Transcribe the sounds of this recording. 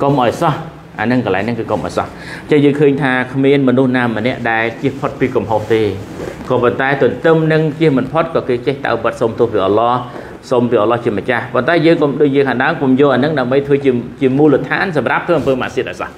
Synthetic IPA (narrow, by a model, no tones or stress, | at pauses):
komʔaɔjsɑh | ʔa̰ːnɨŋkəla̰ɛŋnɨŋkɨːkomʔa̰ɔjsɑ̰h | ɲt͡ɕəŋjəːŋkʰəːɲt̪ʰaːkʰmiənmɔnuhnaːmənɛ̆əʔɗaɛlt͡ɕiəhpʰot̪̚piːkumɦoht̪eːkɑːpont̪aɛt̪ʊ̆ənt̪ɨmnɨŋt͡ɕiəhmɨnpʰot̪̚kɑːkeːt͡ɕeht̪a̰əwpət̪̚somt̪ʊ̆əhpiːʔɑlɑː | sompiʔɑlɑːht͡ɕiəmət͡ɕahpont̪aɛjəːŋkomɗoːc̚jiːəkʰaːŋɗaəmkomjoəlʔaənɨŋɗaəmɓəjt̪ʰʋəːt͡ɕiət͡ɕiəmuːlət̪ʰa̰ːnsɑmrap̚t̪ʰʋəːʔɑmpəːma̰ːsiət̪̚ʔaɔsɑ̰h